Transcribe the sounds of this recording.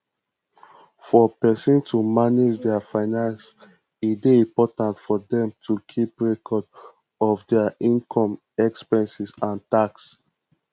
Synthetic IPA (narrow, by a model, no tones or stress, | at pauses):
fɔpɛsɔ̃ntʰumaned͡ʒdɛafaɪnãns | itbeĩmpɔtãntfɔdɛ̃mtʰukʰipɹɛkʰɔd | ɔfdɛaĩnkʰɔ̃m | ɛkspɛ̃nsisãntaks